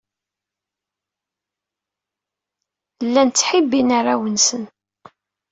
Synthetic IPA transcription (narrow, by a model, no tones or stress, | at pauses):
lːænt͡sːħibːinaɾˤawənsən